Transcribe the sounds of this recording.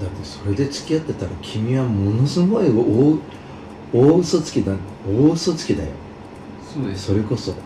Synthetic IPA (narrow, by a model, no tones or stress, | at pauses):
d̪aɾod̪eso̞ɾe̞d̪e̞t͡ɕi̥kʲijat̪ːe̞t̪aɾakʲʰimʲiβamo̞no̞sɨɡo̞io | oːɯsot͡sɨ̥kʲid̪a | oːɯsot͡sɨ̥kʲid̪a̰jo̞̰ | so̞ɾe̞ko̞so̞